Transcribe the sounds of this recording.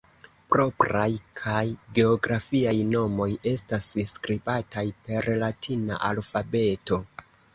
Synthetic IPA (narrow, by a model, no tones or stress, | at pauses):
pɾo̞pɾajkʰajɡe̞o̞ɡɾafiajno̞mo̞je̞stasskɾibatajpe̞ɾlatʰina̰ʔalfabe̞to̞